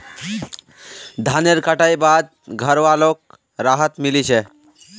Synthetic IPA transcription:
d̪ʱaneɾkəʈaibad̪̚ɡʱəɾʋalok̚ | ɾaɦət̪milit͡ʃʰe

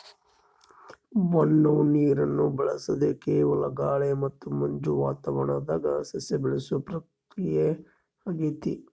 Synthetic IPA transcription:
ʋɐnːuniːɾɐnːubɛɭɐsɐd̪ekeːʋɐlɐɡaːɭemɐt̪ːumɐɲd͡ʒuʋaːt̪ɐʋɐɳɐd̪aːɡɐsɐsebɛɭɐsupɾɐk̚ | ɾije | ɐɡit̪i

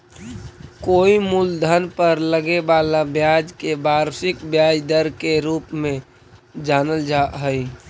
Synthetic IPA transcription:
koːimuld̪ʱənpəɾləɡebaːlabjaːd͡ʒkebaːɾsɪkbjaːd͡ʒd̪əɾkeɾuːpmẽ | d͡ʒaːnəld͡ʒaɦəi

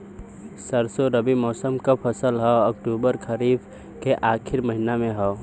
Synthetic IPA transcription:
sɐɾsoɾɐbimɔːsəmkapʰɐsəlɦɛɔk̚ʈuːbəɾkʰɐɾiːb | keʔaːkʰɪɾmɐɦɪnamẽɦɛː

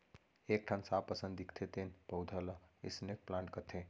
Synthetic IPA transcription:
ek̚ʈʰansapəsənd̪ikt̪ʰet̪enpəwd̪ʱələḭsnek̚plãɳʈkət̪ʰẽ

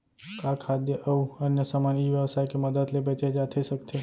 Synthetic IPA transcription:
kakʰad̪jəʔəuənjəsamaniːʋjəʋsajkeməd̪əd̪lebet͡ʃed͡ʒat̪ʰesəkt̪ʰe

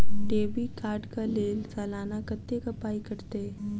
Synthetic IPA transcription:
ɖeːbikaːɾɖkaleːlsɛːlaːnakət̪ːekɐpaːikɐɾt̪eɛ

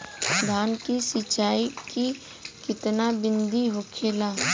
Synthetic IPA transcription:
d̪ʱaːnkisɪt͡ʃaːiki | kɪt̪nabɪnd̪iɦokʰeːlaː

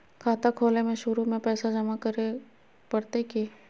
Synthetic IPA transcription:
kʰaːt̪akʰoːlemẽʃʊɾumẽpɛːsad͡ʒɐmakɐɾe | pɐɽt̪eki

